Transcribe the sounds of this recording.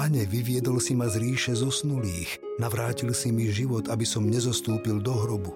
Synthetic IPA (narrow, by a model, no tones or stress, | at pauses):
aɲɛʋiʋɪɛd̪ɔlsimazɾiːʃɛzɔsnuliːx | naʋɾaːcilsimiʒiʋɔt̪abisɔmɲɛzɔst̪uːpild̪ɔɦɾɔbu